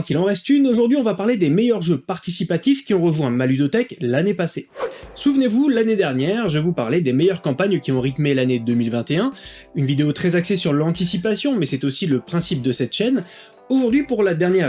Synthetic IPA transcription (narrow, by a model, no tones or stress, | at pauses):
kilɑ̃ʁɛst̪ynoʒuʁd̪ɥiɔ̃vapaʁled̪emejœʁʒøpaʁt̪isipat̪ifkʲiɔ̃ʁəʒwɛ̃malyd̪ot̪ɛklanepasesuvnevulaned̪ɛʁnjɛʁʒəvupaʁled̪emejœʁkɑ̃paɲkʲiɔ̃ʁit̪melaned̪əmilvɛ̃t̪eɛ̃ | ynvid̪eot̪χɛzaksesyʁlɑ̃t̪isipasjɔ̃mɛsɛt̪osiləpχɛ̃sip̚d̪əsɛt̪ʃɛn | oʒuʁd̪ɥipuʁlad̪ɛʁnjɛʁ